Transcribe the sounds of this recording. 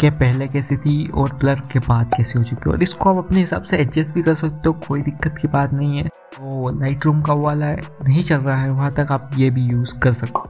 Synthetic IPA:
kepɛɦlekɛːset̪ʰiɔːɾplɐɾkebaːt̪kɛːseɦot͡ʃʊkeɔ̰ːɾɪskoaːpɐpneɦɪsa̰ːbseɛd͡ʒɛsbʱikɐɾsɐk̚t̪eɦõkoːid̪ɪkːət̪kibaːt̪nɐɦĩɦɛː | oːlaːɪʈɾuːmkaoaːlaɛnɐɦĩt͡ʃɐlɾaɦaɦɛʋɐɦãt̪ɐkaːp̚jebʱijuːzkɐɾsɐk̪o̥

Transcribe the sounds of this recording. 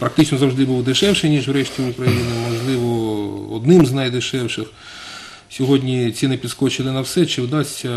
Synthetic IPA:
pɾɐk̚t̪ɪt͡ʃnɔzɐwʒd̪ɪbuwd̪ɪʃɛwʃɪjnʲiʒwɾɛʃtʲiʊkɾɐjinɪmɔʒlˠɪʋɔɔ̰d̪nɪmznɐjd̪ɪʃɛwʃɪx | sʲɔɦɔdʲnʲit͡sʲinɪpʲid̪skɔt͡ʃɪlˠɪnɐwsɛt͡ʃɪwd̪ɑsʲtʲɐ

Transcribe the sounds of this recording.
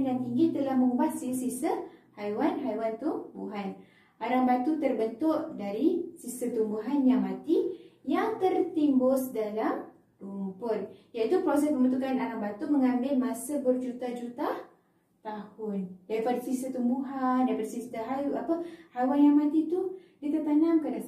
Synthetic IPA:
njaŋt̪iŋɡit̪əlahməmubat̪̚sisisəhajwanɦajwant̪ubuɦan | ʔaɾambat̪ut̪ərbənt̪ʊʔdaɾisisət̪umbuɦanjaŋmat̪ijaŋt̪ərt̪imbʊsdalam | rumupʊtjait̪upɾosɛsməmbənt̪ukanaɾaŋbat̪uməŋambɪlmasəbərd͡ʒut̪ad͡ʒut̪a | t̪ahʊndaɾipadasisət̪umbuɦandaɾipadasist̪aɦajuʔapəhajwanjaŋmãt̪it̪udit̪ərt̪anaŋkəda

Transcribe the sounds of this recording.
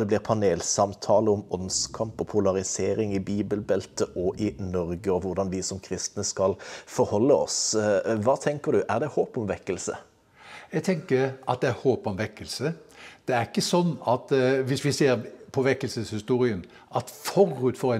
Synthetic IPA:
d̪ɛblɪʁpʰɑneːlsɑmt̪ʰɑːləɔmɔnskʰɑmpɔpʰʊlɑʁɪseːɾɪŋɪbiːbəlbɛlt̪əʔɔʔɪnɔʁɡəɔʋʊʁd̪ɑnʋɪsɔmkʰɾɪst̪nəskɑlfɔɾhɔlːəɔ̰sʋɑːt̪ʰɛŋkəɾd̪ʉʔæʁd̪ɛhoːpɔmʋɛkːəlsə̰ | jɛɡt̪ʰɛŋkəɑt̪̚d̪ɛæɾhoːpɔmʋɛkːəlsəd̪̥ɛæɾɪkːəsɔnːɑt̪ʋɪsʋɪseːɾpʰɔʋɛkːəlsəshɪst̪uːɾɪən | ɑt̪fɔɾʉt̪fɔɾɛ

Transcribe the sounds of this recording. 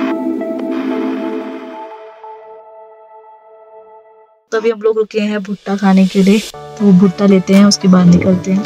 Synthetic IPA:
t̪ɐbʱiɦɐmloːɡɾʊkiẽɦɛ̃bʱʊʈːakʰaːnekeliet̪obʱʊʈːaleːt̪eɦɛ̃ʊskibaːd̪nɪkəlt̪eɦɛ̃ː

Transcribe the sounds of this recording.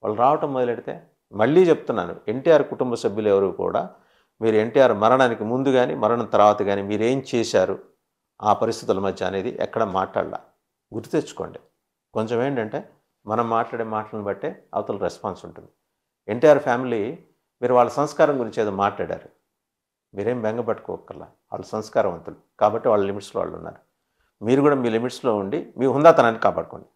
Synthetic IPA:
ʋa̰ːɭːɐɾaːʋɐʈɐmːɔd̪ɐlɐɽit̪e̞̰ː | mɐɭːiːt͡ʃe̞but̪unːa̰ːnṵe̞ɳʈiːjaːɾkuʈumbɐsɐbʱjulɛʋɐɾuːkṵːɽa̰ː | miːɾue̞ɳʈijaːɾmɐɾɐɽaːnikimund̪uɡaːnḭmɐɾɐɳɐnt̪ɐɾʋaːt̪ɐɡaːnimiːɾeːmit͡ʃɛːsaːɾu | aːpɐɾist̪ʰit̪̬ulɐmɐd̪ʱjɐɐne̞ːd̪ḭʔɛ̰kːɐɽɐma̰ːʈla̰ːɽɐla̰ː | ɡuɾt̪eːt͡ʃːu̥ko̞̰ːɳɖi | koɲt͡ʃɐme̞ːɳʈɐɳʈe̞ː | mɐnɐmːaːʈlaːɽeːmaːʈlɐnibɐʈːeːɐ̰ʋɐt̪ɐluɾespaːnsuɳʈund̪i | eɳʈijaːɾpʰaːmili | miːɾuʋaːɭːɐsɐmskaːɾɐmɡuɾiɲt͡ʃeːd̪oːmaːʈlaːɽa̰ːɾu | miːɾe̞ːmbeŋɡɐbɐʈːɐkuːɐ̰kːɐla̰ː | ʋa̰ːɭlːɐsɐmskaːɾɐʋɐnt̪ulukaːbɐʈːeʋaːɭːɐlimiʈsloːʋa̰ːɭːṵnːa̰ːɾu | miːɾukuːɽaːmiːlimiʈslo̞ːuɳɖimiːɦund̪aːt̪ɐnaːnːikaːpa̰ːɽɐko̞̰ːɳɖi

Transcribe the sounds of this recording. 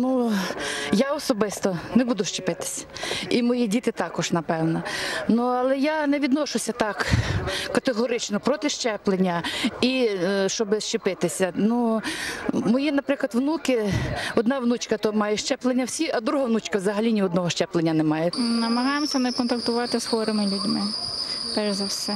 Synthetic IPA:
nu | jaɔsɔbɪst̪ɔnɛbud̪ʊʃt͡ʃepɪt̪ɪ̥sʲɐ̥imɔjidʲit̪ɪt̪ɑkɔʒnɐpɛwnɐnuɐlˠɛjanɛʋʲid̪nɔʃʊsʲɐt̪ɑkkɐt̪eɦɔɾɪt͡ʃnɔpɾɔt̪ɪʃt͡ʃɛplˠenʲːɐiʃt͡ʃɔbɪʃt͡ʃɪpɪt̪ɪsʲɐnu | mɔjinɐpɾɪklˠɐd̪ʋnukɪɔd̪nɑʋnut͡ʃkɐt̪ɔmɑjɛʃt͡ʃɛplˠenʲːɐwsʲiɐd̪ɾuɦɐʋnut͡ʃkɐwzɐɦɐlʲinʲiɔd̪nɔɦɔʃt͡ʃɛplˠenʲːɐnɛmɑjɛnɐmɐɦɑjemsʲɐnɛkɔnt̪ɐkt̪ʊʋɑt̪ɪsxɔɾɪmɪlʲudʲmɪpɛɾzɐwsɛ

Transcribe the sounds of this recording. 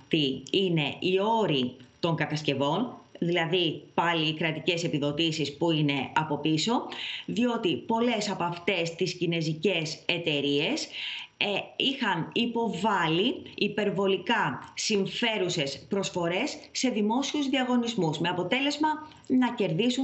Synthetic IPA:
t̪iine̞io̞ɾit̪o̞ŋɡɐt̪ɐsce̞vo̞nðilɐðipɐliːkɾɐt̪ice̞se̞piðo̞t̪isispuine̞ɐpo̞piso̞ðio̞t̪ipo̞le̞sɐpoɐft̪e̞st̪iscine̞zice̞se̞t̪e̞ɾie̞s | ixɐnipo̞vɐliːpe̞ɾvo̞likɐsiɱfe̞ɾusespɾo̞sfo̞ɾe̞sːe̞ðimo̞siuzðiɐɣo̞nizmusme̞ɐpo̞t̪e̞le̞zmɐ | nɐce̞ɾðisu

